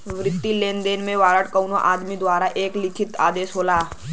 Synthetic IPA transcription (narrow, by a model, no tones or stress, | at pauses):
ʋɾɪt̪ːileːnd̪eːnmẽʋaːɾəʈkɐwnoʔaːd̪mid̪ʋaːɾaʔeːklɪkʰɪt̪a̰ːd̪eːʃɦoːlaː